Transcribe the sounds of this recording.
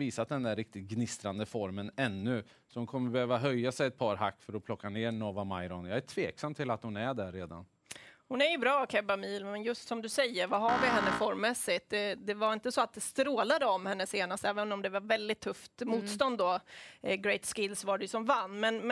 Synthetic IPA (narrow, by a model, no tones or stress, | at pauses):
viːsat̪̚d̪ɛnd̪æɾːɪk̚t̪ɪt̪̚ɡnɪst̪ɾand̪əfɔɾmənɛnːɵ | sɔhʊnkʰɔmːəɾbɛhøːvaɦœjːasɛjɛt̪̚pʰɑːɾɦa̰kːfœɾɔpʰlɔkːaneːɾɳoːvama̰jɾɔnjɑːæʈʰv̥eːksamt̪ʰɪlat̪hʊnæɖæɾːeːd̪a̰n | hʊnæɾjɵbɾɑːkʰɛbamiːlmɛnjɵst̪sɔmd̪ɵsɛjːəɾvaɦaɾvɪɦɛnːəfɔɾmːɛsɪt̪̚ɛd̪ɛvaɾɪnt̪əsɔat̪̚d̪ɛst̪ɾoːlad̪əɔmhɛnːəseːnast̪ɛːvənɔmd̪ɛvaɾvɛld̪ɪt̪ʰːɵft̪muːt̪st̪ɔnd̪ːɔɡɾɛjt̪skɪlsvaɖɛjʉsɔmvanːmɛn